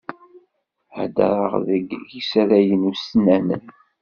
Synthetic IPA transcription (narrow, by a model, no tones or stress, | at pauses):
hə̰d̪ə̰ɾˤəʁðəɡjisɾæjənusnːænən